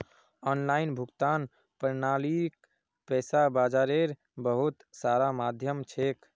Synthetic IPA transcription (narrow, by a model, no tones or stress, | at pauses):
ɔːnlaːɪnbʱʊɡt̪aːn | pəɾnaːlik | pɛːsabaːd͡ʒaːɾeɾ | bəɦut̪saːɾamad̪ʱjəmt͡ʃʰek